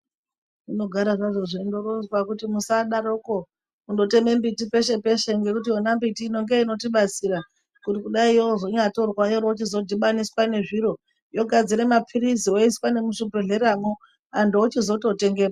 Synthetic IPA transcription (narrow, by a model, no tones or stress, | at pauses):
ino̞ɡʱaɾaʐaʐoʐindoɾonzwakutimusaɗaɾoko | undo̞te̞me̞mbitipe̞ʃe̞pe̞ʃe̞ŋɡe̞kut̬ionambitiːno̞ŋɡe̞ino̞tiɓat͡siɾa | kutikuɗaijozoɲato̞rwajoɾot͡ʃizo̞dʱiɓaniswane̞ʐiɾo̞ | jo̞ɡʱad͡ziɾemapʰiɾizio̞iswane̞muʂubeɮeɾamo | andout͡ʃizo̞to̞te̞ŋɡera